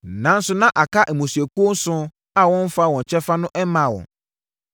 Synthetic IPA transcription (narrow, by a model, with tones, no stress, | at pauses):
nã˨˦n̩˦sʊ˦nã˦ʔa˨kʰa˦ʔɛ˨mũ˨si˨ɛ˨ku˦o˦n˦sʊ̃˦ | a˦wɔ̃˦m˦fa˦˨wɔ̃˨ɲ˨t͡ɕʰɛ˦fa˦nʊ̃˦ʔɛ˦mã˨˦˨wɔ̰̃˨